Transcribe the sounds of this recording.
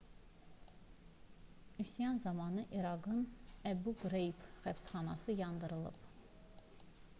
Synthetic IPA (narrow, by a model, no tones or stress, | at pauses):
ysjɑnzɑmɑnɯʔiɾɑɡɯnæbuɡɾejbχæpsχɑnɑ̰sɯjɑnd̪ɯɾɯlˠɯ̰p